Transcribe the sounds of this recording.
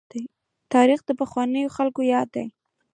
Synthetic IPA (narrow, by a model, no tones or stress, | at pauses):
d̪aj | t̪ɑɾixd̪əpəxwɑnəjoxalkojɑd̪a̰j